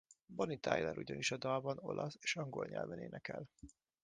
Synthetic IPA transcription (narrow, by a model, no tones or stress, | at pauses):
bonit̪ʰajlɛɾʔuɟɒniʃɒd̪ɒlbɒno̞̰lʔɒseːʃɒŋɡo̞lɲɛ̰lvɛneːnɛkɛl